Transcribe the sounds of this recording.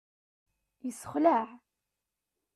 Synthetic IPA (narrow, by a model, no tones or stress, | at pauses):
jəsːə̥χlaʕ